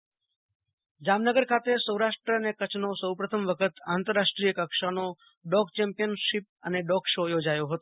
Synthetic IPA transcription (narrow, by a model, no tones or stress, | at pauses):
d͡ʒamnəɡəɾkʰat̪esəwɾaʃʈɾəənekət͡ʃʰnosəwpɾət̪ʰəmʋəkʰət̪ant̪əɾːaʂʈɾijəkəkʃano | ɖɔɡt͡ʃɛmpijənʃip̚əneɖɔɡʃojod͡ʒajoɦət̪o